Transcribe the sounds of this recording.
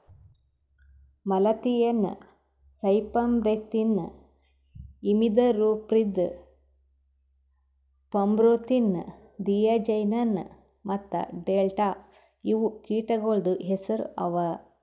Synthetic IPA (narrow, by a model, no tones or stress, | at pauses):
mɐlɐt̪ijɐn̰ | sɐjpɐmbɾet̪ːin | imid̪ɐɾupɾid̪ | pɐmbɾoːt̪in̰ | d̪ijɐd͡ʒɐjnɐn | mɐt̪ːɐ̰ɖeːlʈa | iʋukiːʈɐɡoɭd̪uɦesɐɾṵʔɐ̰ʋɐ